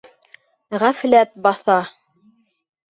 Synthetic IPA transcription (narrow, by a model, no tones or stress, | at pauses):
ʁæflæt̪̚bɑθɑ